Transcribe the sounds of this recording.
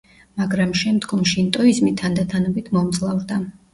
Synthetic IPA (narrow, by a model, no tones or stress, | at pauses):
maɡɾamʃɛmd̪ɡɔmʃint̪ʼɔizmit̪ʰand̪at̪ʰanɔbit̪ʰmɔmd̪zʼlˠavɾd̪a